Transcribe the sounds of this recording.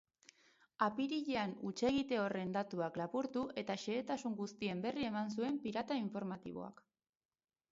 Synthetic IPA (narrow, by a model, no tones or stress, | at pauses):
apiɾiʎe̞anut͡ʃe̞ɣ̞it̪e̞o̞re̞nd̪at̪uaklaβuɾt̪uʔe̞t̪aʃe̞ːt̪asuŋɡust̪ie̞mbe̞rie̞mans̬ue̞mpiɾat̪aiɱfo̞ɾmat̪ḭβ̞o̞̰a̰k